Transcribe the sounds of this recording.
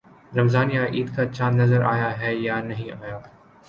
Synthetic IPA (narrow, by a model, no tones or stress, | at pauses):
ɾɐmzaːnijaʔiːd̪kat͡ʃaːnːɐzəɾa̰ːjaɦɛjanɐɦĩaːjaː